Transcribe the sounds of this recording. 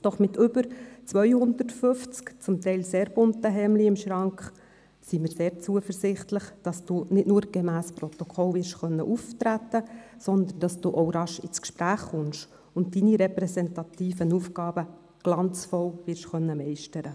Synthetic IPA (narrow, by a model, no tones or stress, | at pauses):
d̥ɔχmɪtʰʏbəɾt͡sʋœʏhʊnd̪ətfʏft͡skt͡sʊmt̪ɛɪlseːɾb̥ʊntəɦɛːmliɪmʃɾɑŋkχ | simɪːɾseːɾt͡suəfəɾsɪχtləχd̥ɑsd̥uːnɪtnʊːɾɡ̥ɛmæːsprɔt̪ɔkʰɔlvɪɾʃχœnːəʔuft̪ɾæt̪ːəsɔnd̪ənd̥ɑsd̥uːʔowɾɑʃɪt͡skʃpɾæːχːʊnʃ | ʊnt̚diniɾɛpɾɛsɛntɑt̪iːfənufɡɑːbə | ɡ̥lɑnt͡sfɔwvɪɾʃχœnːəmɛɪʃtəɾə